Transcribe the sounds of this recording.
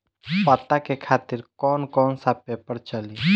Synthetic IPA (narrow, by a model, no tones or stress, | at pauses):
pət̪akekʰaːt̪iɾkɔːnkɔːnsapepəɾt͡ʃəli